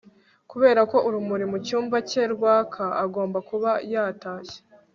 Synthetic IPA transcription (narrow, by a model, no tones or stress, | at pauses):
kuβe̞ːɾako̞ʔuɾumuɾimucuːɱvace̞ɾɡwaːkʰaaɡo̞ːmbakuβajaːtaːçe̥